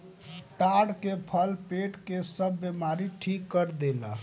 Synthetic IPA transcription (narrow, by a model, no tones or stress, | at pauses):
t̪aɽkepʰəlpeʈkesəbːemaɾiʈʰikːəɾd̪elə̰